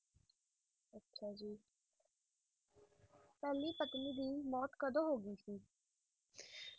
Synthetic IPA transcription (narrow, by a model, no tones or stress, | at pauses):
ətːʃʰaːd͡ʒiː | pɛːliːpət̪liːd̪iːmɔːt̪kəd̪õːɦoːɡiːsiː